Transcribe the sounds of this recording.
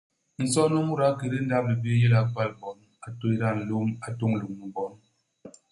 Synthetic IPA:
n̩˨sɔ˦no˦mu˦ɾa˨˦ke˨ɾi˦n̩˦da˦˨mə˨bi˦je˦la˨k͡pa˦˨lbɔ˨˦n | a˨to˦jɾa˦˨n̩˨lu˦ma˨to˦ŋ˨lu˨ŋmə˨bɔ˦n

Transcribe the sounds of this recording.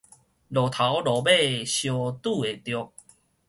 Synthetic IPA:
lɔ˨˩t̪ʰa˨˦wlɔ˨˩be˥˨ɕjo˧t̪u˥˧˨e˨˩t̪jɔ˧k̚

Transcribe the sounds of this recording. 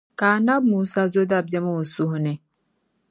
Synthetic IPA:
kaː˨na˦b̚muː˨sa˦zo˦d̪a˦˨b̚d͡ʒɛ˦mu˦u˨su˦ɦnɛ˨

